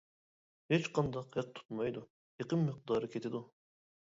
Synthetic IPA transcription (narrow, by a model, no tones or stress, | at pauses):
het͡ʃqɑnd̪ɑqɛq̚t̪ʰu̥t̪mɑjd̪u | jeqəmːəq̚d̪ɑːɾɨkʲʰet̪ʰɪd̪u